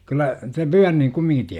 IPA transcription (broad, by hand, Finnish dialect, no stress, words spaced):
kylːæ te pyærniŋ kumːiŋki